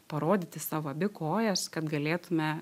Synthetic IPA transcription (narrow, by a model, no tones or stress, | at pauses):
pɐɾoːd̪ʲiːt̪ʲɪsɑːʋoːɐbʲɪkoːjɛskɐt̪ɡɐlʲeːt̪ʊmʲɛ